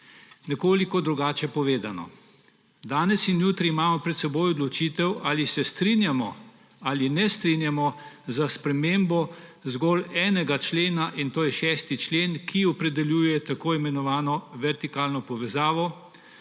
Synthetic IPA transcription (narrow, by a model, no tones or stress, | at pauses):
nɛkoːlikɔd̪ɾuɡaːt͡ʃɛpɔʋeːd̪anɔ̰ | d̪aːnɛsinjuːt̪ɾiːmaːmɔpɾɛt̪sɛboːjɔd̪lɔt͡ʃiːt̪ɛwaːlisɛst̪ɾinjamɔ | alinɛst̪ɾinjamɔzaspɾɛmeːmbɔzɡɔlɛːnɛɡat͡ʃleːnaʔint̪oːjɛʃɛːst̪it͡ʃleːnkʰiɔpɾɛd̪ɛljuːjɛt̪akoːimɛnɔʋaːnɔʋɛɾt̪ikaːlnɔpɔʋɛzaːʋɔ